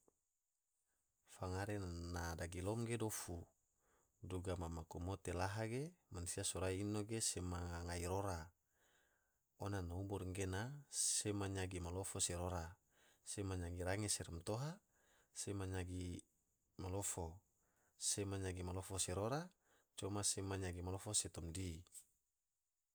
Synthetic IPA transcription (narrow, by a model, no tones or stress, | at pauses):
faŋaɾenadaɡilɔmɡedofu | duɡamamakumot̪elaɦaɡemansiasoɾaiinoɡesemaŋaŋaiɾoɾa | onanaumurŋɡenasemaɲaɡimalofoseɾoɾa | semaɲaŋiɾaŋeseɾɔmt̪oɦa | semaɲaɡi | malofo | semaɲaɡimalofoseɾoɾa | t͡ʃomasemaɲaɡimalofoset̪ɔmdi